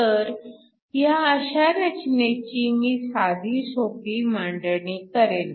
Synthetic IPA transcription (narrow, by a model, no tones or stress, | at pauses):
əɾ | jaəɕaɾət͡ɕnet͡ɕimiːsad̪ʱiːsokiːmaɳɖəɳiːkəɾen